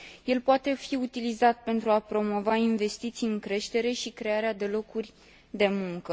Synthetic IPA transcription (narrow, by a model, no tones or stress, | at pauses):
je̞lpoat̪e̞fiut̪ilizat̪̚pe̞nt̪ɾuapɾo̞mo̞vainve̞st̪it̪sijɨŋkɾe̞ʃt̪e̞ɾe̞ʃikɾe̞aɾead̪e̞lo̞kurʲ | d̪e̞muŋkə